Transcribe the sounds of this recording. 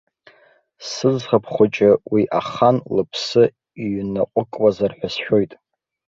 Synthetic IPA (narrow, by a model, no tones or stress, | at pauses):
sɨd͡zχapʰχʷʊt͡ʃʼɪwiʔaχanlɨpʰsɨ | ɥnaqʷʼʊkʼwazarħʷᶣasʃᶣo̞jtʼ